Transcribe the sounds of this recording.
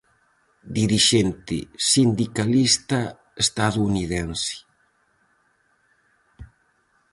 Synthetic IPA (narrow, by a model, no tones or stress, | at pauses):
d̪iɾiʃent̪ɪ̰sind̪ikalist̪a | est̪aðuːniðɛnsi̥